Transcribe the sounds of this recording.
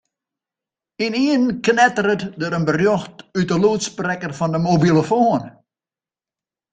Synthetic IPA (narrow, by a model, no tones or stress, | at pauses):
iniənknɛtəɾətdəɾənbərjɔxtytəluːtsprɛkərfɔndəmobilˠəfoən